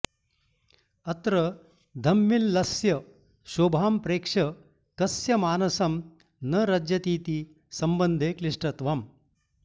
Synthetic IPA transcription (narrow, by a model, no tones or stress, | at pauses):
ɐt̪ɾɐ | d̪ʱɐmːilːɐsjɐ | ʃoːbʱaːmpɾeːkʂɐ | kɐsjɐmaːnɐsɐm | nɐɾɐd͡ʒjɐt̪iːt̪i | sɐmbɐnd̪ʱeːkliʂʈɐt̪ʋaːm